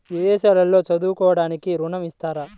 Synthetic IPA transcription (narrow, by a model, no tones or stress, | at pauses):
ʋiʋɛːʃaːlɐlːo̞ːt͡ʃɐd̪uːkɔːʋɐɽaːnikiɾuɳɐmist̪aːɾɐ